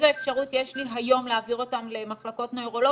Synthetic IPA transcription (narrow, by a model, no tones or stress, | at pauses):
zaefʃaʁut̪jeʃliɦajo̞mleaviʁo̞tamle̞maχlako̞tnojʁo̞lo